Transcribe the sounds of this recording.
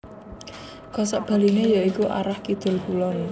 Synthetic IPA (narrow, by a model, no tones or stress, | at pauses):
kɔsɔʔb̥a̤linejaikuʔa̰ɾahkid̪̥ʊ̤lpulɔn